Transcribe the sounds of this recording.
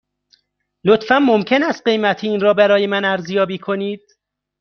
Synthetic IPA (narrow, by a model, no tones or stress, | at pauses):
lot̪fænmomcʰe̞næst̪̚ɢe̞jmæt̪ʰeiːnɾɒːbæɾɒːje̞mænæɾzjɒːbiːkʰo̞niːd̪̥̚